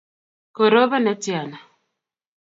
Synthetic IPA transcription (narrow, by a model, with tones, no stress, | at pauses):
ko˨ɾo˦βa˦na˦tja˨na˨